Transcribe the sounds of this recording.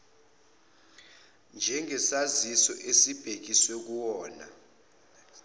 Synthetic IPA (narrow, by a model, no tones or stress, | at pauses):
nd͡ʒʱɛŋʱɛsazisɔʔesib̥ʱek̬iswek̬uwɔːna̰